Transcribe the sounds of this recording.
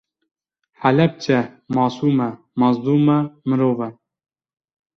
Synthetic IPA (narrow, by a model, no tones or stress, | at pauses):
ħælɛp̚t͡ʃʰɛ | mɑːsuːmɛ | mɑːzd̪uːmɛmɨɾoːvɛ